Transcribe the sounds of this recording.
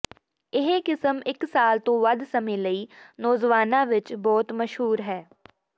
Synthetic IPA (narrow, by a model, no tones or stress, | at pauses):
ɪɦkɪsəmɪksaːlt̪õʋɐd̪sɐmẽlɐinɔːzʋaːnãʋɪt͡ʃbɔːt̪mɐʃɦuːɾɦɛː